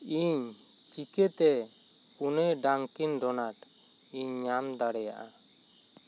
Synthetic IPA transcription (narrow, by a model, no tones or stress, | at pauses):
iɲ | t͡ʃikɛt̪ɛ | punɛɖaŋkinɖɔnaʈ | iɲːamd̪aɽɛja̰ʔa